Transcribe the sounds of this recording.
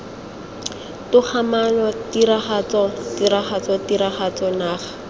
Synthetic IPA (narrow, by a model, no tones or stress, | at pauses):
tʊk͡xʰamanɔtiɾaχat͡sɔtiɾaχat͡sɔtiɾaχat͡sɔnaːχḁ